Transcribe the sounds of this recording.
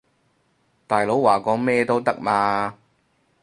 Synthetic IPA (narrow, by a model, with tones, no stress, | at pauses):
t̪aː˨˩jlo˨˥wwaː˨˩kɔː˨˥ŋmɛː˥t̪o˥wt̪ɐ˥k̚maː˧